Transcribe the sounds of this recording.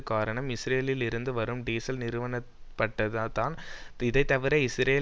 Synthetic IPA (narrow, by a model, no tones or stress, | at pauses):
kːaːɾɐɳɐmɪsɾeːlɪlɪɾɯnd̪ɯʋɐɾɯmɖiːsɐlnɪɾɯʋɐɳɐ | pːɐʈːɐðat̪ːaːnɪðɐɪt̪ːɐʋɪɾɐɪsɾeː